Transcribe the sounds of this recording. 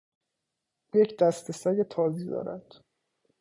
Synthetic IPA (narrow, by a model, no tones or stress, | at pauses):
ʔuːjecʰd̪æst̪ʰesæjet̪ʰɒːziːd̪ɒ̰ːɾæ̰d̪̥